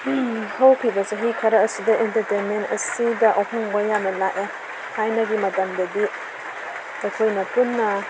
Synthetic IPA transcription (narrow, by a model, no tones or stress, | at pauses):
hɐwpʰibɐseɦikʰɐɾɐɐsidɐʔentɐɾtenmentɐ̰sidɐʔɐhɔŋbajanɐlaʔe | hʰajnɐɡimɐdandɐdi | ajkʰojnɐpunːɐ